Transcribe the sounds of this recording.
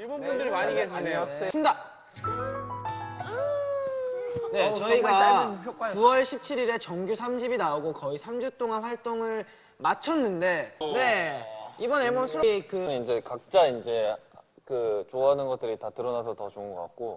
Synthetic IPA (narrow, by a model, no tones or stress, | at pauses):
iɭbonɡundɯɾimaɲiɡeanejoɕʰinda | ne̞t͡ɕʌiɡaat͡ɕapʰjok͈wakuwʌɭɕʰip̚t͡ɕʰiɾiɾe̞t͡ɕʌŋɡjusʰamd͡ʑʰibinaoɡokʌisʰamd͡ʑut͈oŋanɸwaɭt͈oŋɯɭ | mat͡ɕʰʌnːɯnde̞ne̞ibʌnemosʰuɾoikɯɲiind͡ʑe̞kak̚t͡ɕ͈aind͡ʑe̞ | kɯt͡ɕoaɦanɯnɡʌt͈ɯɾitatɯɾʌnasʰʌtʌt͡ɕoɯŋɡʌk͈a̰k̚k͈o